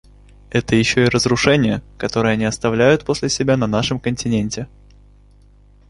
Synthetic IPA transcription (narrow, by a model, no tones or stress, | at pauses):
ɛt̪əjɪɕːo̞ɪɾəzɾʊʂɛnʲɪjəkɐt̪o̞ɾəjəɐnʲiɐst̪ɐvlʲæjʊt̪̚po̞sʲlʲɪsʲɪbʲanɐnaʂɨmkənʲtʲɪnʲenʲtʲɪ